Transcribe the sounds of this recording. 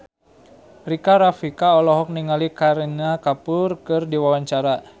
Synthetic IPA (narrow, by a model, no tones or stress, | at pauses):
rikaɾafikaɔlɔɦɔk̚niŋalikaɾinakapʊrkɨrdiwawaɲt͡ʃaɾa